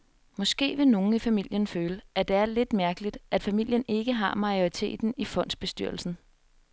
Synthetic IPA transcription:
mɒ̽sɡ̥e̝̰ːʋe̝no̝ːn̩ifæmil̰jənføːləʔæd̥e̝æɐle̝d̥mæɐɡ̥əlid̥ʔæd̥fæmil̰jəne̝ɡ̥əɦɑ̈mɑ̈io̝ʁit͡sʰe̝̰ːd̥n̩ifɔ̽n̰d̥sb̥e̝sd̥yɐ̰l̩sn̩

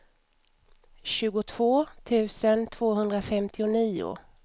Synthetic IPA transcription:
ɕʉ̟ːɡʊt̪ʰv̥oːt̪ʰʉ̟ːsənt̪ʰv̥oːɦɵnd̪ɾafɛmt̪ʰɪʊniːʊ̰

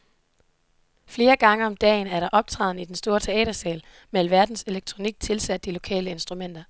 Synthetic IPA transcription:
fle̝ːɐɡ̥ɑ̈ŋəɒ̽md̥ɛ̰ːn̩æɐɾ̥ɑ̈ʔɒ̽b̥̚t͡sʰʁɑ̰ːð̞ˠn̩id̥ensd̥o̝ːɐt͡sʰe̝ɛ̰ːd̥ɐsɛːl | melʋæɐd̥n̩se̝leɡ̥̚t͡sʰʁo̝niɡ̥̚t͡sʰe̝lsæd̥̚ːilo̝kʰɛ̰ːləe̝nsd̥ʁumen̰d̥ɐ

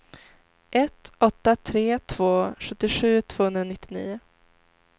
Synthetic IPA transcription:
ʔɛt̪ɔt̪ːat̪ʰɾeːt̪ʰv̥oːɧɵt̪ːɪɧʉ̟ːt̪ʰv̥oːhɵnɾanɪt̪ːɪnḭːʊ

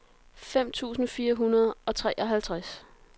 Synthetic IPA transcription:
fem̰t͡sʰṵːsn̩fiːɐɦunɐð̞ˠɒ̽t͡sʰʁɛːʔɒ̽ɦælt͡sʰʁas

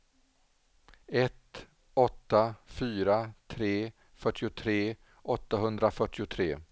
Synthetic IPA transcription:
ɛt̪ | ɔt̪ːafyːɾat̪ʰɾeː | fœʈːɪʊt̪ʰɾeː | ɔt̪ːaɦɵnd̪ɾafœʈːɪʊt̪ʰɾeː

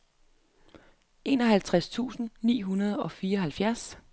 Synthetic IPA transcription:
e̝ːnɒ̽ɦælt͡sʰʁast͡sʰṵːsn̩nḭːɦunɐð̞ˠɒ̽fiːɐɒɦælfjæɐs

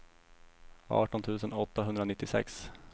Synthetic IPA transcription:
ɑ̰ːʈɔnt̪ʰʉ̟ːsənɔt̪ːaɦɵnd̪ɾanɪt̪ːɪsɛ̰ks

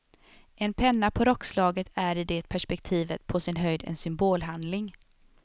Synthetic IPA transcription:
ʔɛnpʰɛnːapʰɔɾɔkːslɑːɡət̪ʰæɾɪd̪ɛt̪̚pʰæʂpɛkt̪ʰiːvət̪pʰɔsɪnɦœjd̪ɛ̰nsʏmboːlɦand̪lɪŋ

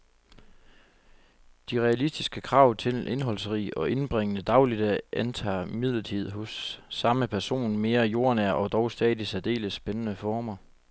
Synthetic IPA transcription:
d̥iʁɛælisd̥isɡ̥əkʰʁɑ̈ʊ̰t͡sʰe̝lʔe̝nɦɒ̽l̰sʁḭːɒ̽ʔe̝nb̥ʁeŋ̰ənəd̥ɑ̈ʊlid̥æʔænt͡sʰɑ̰̈ːmið̞̰ˠlɐt͡sʰið̞̰ˠɦɔ̽sːɑ̈məpʰæɐso̝̰ːnme̝ːɐjo̝ɐ̰næɐʔɒ̽d̥ɒʊsd̥ɛ̰ːðˠisæd̥e̝̰ːləsːb̥enənəfɒːmɐ

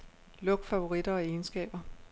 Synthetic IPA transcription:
lɔ̽ɡ̥fæʊo̝ʁid̥ɐɒ̽e̝ːnsɡ̥ɛ̰ːb̥ɐ

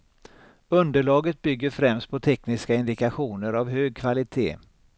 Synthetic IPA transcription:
ɵnd̪əɭɑːɡət̪̚bʏɡːəɾfɾɛmst̪̚pʰɔt̪ʰɛknɪskaɪnd̪ɪkaɧuːnəɾavɦøːɡ̚kʰvalɪt̪ʰḛː

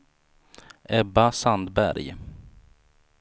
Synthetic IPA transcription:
ʔɛbasand̪bæ̰ɾj

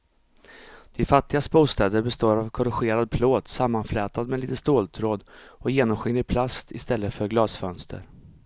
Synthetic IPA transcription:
d̪̥ɪfat̪ːɪɡast̪buːst̪ɛːd̪əɾbɛst̪oːɾavkʰɔɾɪɧeːɾad̪̚pʰloːd̪samːanflɛːt̪ad̪mɛliːt̪əst̪oːlt̪ʰɾoːd̪ɔjeːnɔmɧɪŋd̪əpʰlast̪ʰɪst̪ɛlːəfœɾɡlɑːsfœnst̪ʰə̰ɾ

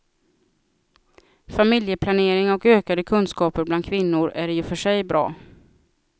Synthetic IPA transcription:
famɪljəpʰlaneːɾɪŋɔkøːkad̪əkʰɵnskɑːpəɾbland̪kʰvɪnːʊɾæɾjɵfœʂɛjbɾɑ̰ː

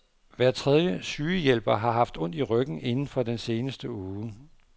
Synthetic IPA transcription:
ʋæɐt͡sʰʁɛð̞ˠjəsyːəjel̰b̥ɐɦɑ̈ɦɑ̈fd̥ɔ̽n̰d̥iʁœɡ̥n̩e̝nn̩fɒ̽d̥ense̝ːnəsd̥əuː

